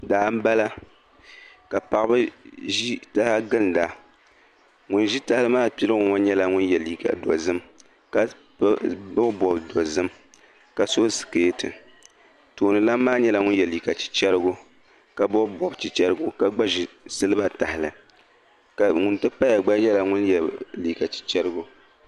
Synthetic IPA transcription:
daː˨˦m̩˦ba˦la˦ | ka˨pa˨ʔɨ˦bɨ˦ʒi˦ta˦ha˦ɡɨ˦n˨da˨ | ŋʊ˨nʒi˦ta˨hɪ˦lɨ˦maː˦pi˦lɨ˦ŋʊ˨ŋa˦ɲɛ˦la˦ŋʊ˦njɛ˨li˨ka̰˨dɔ̰˨zɨ˦m | ka˨ | bʊ˦bɔ˨bdɔ˨zɨ˦m | ka˨so˦sɨ̥˨keː˦tɨ̰˨ | toː˨nɨ˨laː˦aː˦ɲɛ˦la˨ŋʊ˦njɛ˨liː˨ka˨t͡ʃi̥˨t͡ʃɛ˦ɾɨ˦ɡʊ˦ | ka˨bɔ˦bbɔ˨bt͡ʃi˨t͡ʃɛ˦ɾɨ˦ɡʊ˦ka˨ɡ͡ba˦ʒi˨sɨ˦lɨ˦ba˦ta˨hɪ˨lɨ̰˨ | ka˨ŋʊ˨ntɨ˦pa˦ja˨ɡ͡ba˦ɲɛ˦la˨ŋʊ˦njɛ˨liː˨ka˨t͡ʃi̥˨t͡ʃɛ˦ɾɨ˦ɡʊ˦

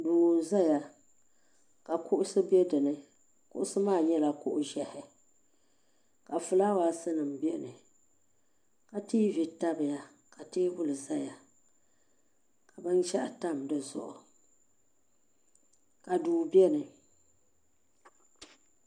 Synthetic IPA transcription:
duː˨za˦ja˨ | ka˨kʊ˦ʔʊ˦sɨ˦bɛ˦dɨ˨nɨ˨ | kʊ̰˦ʔʊ˦sɨ˦maː˦˨ɲɛ˦la˨kʊ˦ʔʊ˦ʒɛ˨hɪ˨ | ka˨fʊ˨la˦waː˦sɨ˦nɨ˨m˨bɛ˦nɨ˨ | ka˦tiː˦vi˨ta˦bɨ˨ja˦ | ka˨tiː˦bʊ˦lɨ˨za˦ja˨ | ka˨bɨ˦nt͡ʃɛ˦ʔa˨ta˦˨mdɨ˦zʊ̰˦ʔʊ˨ | ka˨duː˨bɛ˦nɨ˨

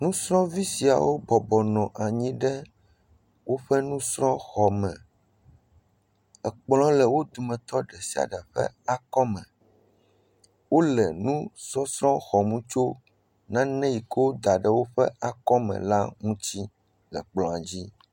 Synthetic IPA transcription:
nũ˦sɾɔ̃˦vi˦si˨a̰˨wo˦bɔ˨bɔ˨nɔ̃˨ʔa˨ɲĩ˦ɖɛ˦ | wo˦ɸɛ˦nũ˦sɾɔ̃˦xɔ˨mɛ̃˨ | ɛ˨k͡plɔ̃˦lɛ˨wo˦d̪u˨mɛ̃˨t̪ɔ˦ɖɛ˨si˨a̰˨ɖɛ˨ɸɛ̰˦a˨kɔ˦mɛ̃˨ | wo˦lɛ˨nũ˦sɔ˦sɾɔ̃˦xɔ˨mũ˦t͡ʃo˦ | nã˦nɛ̃˦ji˨ko˦d̪a˨ɖɛ˦wo˦ɸɛ̰˦ʔa˨kɔ˦mɛ̰̃˨la˦ŋũ˦t͡ɕi˦ | lɛ˨k͡plɔ̃˨a˨d͡ʑi˦

